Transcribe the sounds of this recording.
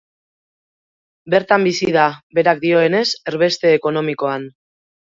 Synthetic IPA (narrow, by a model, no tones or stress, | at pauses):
be̞ɾt̪ambisiðabe̞ɾak̚d̪io̞e̞ne̞se̞ɾβe̞st̪e̞ːko̞no̞miko̞an